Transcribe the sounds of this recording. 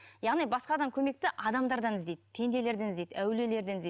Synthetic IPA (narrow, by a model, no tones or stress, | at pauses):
jɑʁnijbɑsqɑd̪ɑŋkʲʰɵme̞k̚t̪ɪʔɑd̪ɑmd̪ɑɾd̪ɑnɪzd̪e̞jd̪p̪ʰe̞nd̪e̞le̞ɾd̪enɪzd̪ejd̪æwle̞le̞ɾd̪enɪze